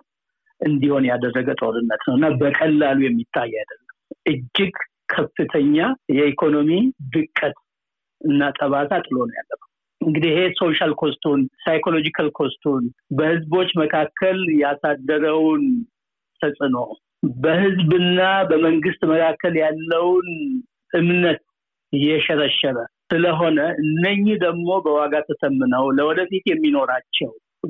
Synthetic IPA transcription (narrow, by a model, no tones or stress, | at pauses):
ʔɨnd̪iho̞njad̪ərːəɡət̪ʼoɾɨnːət̪nəwɨnːabəkʼəlːalujɛmːit̪ʰːajːɛjad̪əlːəmʔɨd͡ʒːɪɡ | kʰəfːɨt̪ʰəɲːajɛikʰo̞no̞mid̪ɨkʼːət̪ | ʔɨnːat̪ʼəβasʰat̪ʼɨlo̞nəja̰lːəfə | ɨŋɡɨd̪ihe̞so̞ʃalkʰo̞st̪ʰunsajkʰo̞lo̞d͡ʒikʰalkʰo̞st̪ʰunbəhɨzbo̞t͡ʃːməkʰakʰːəljasad̪ːəɾəwn | t̪ʰəsʼɨno | bəhɨzbɨnːabəməŋɡɨst̪ʼməkʰakːəljalːəwn | ʔɨmnət̪̚ | jɛʃɛɾəʃːɛɾəsɨləɦo̞nəʔɨnːəɲːɪd̪əɡmo̞bəwaɡat̪ʰəsəmːɨnəwləwɔd̪əfit̪jɛmːino̞ɾat͡ʃːɛw